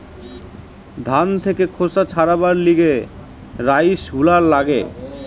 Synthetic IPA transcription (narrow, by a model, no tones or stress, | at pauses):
d̪ʱant̪ʰekekʰosat͡ɕʰaɾabaɾliɡe | ɾajʃɦulaɾlaɡe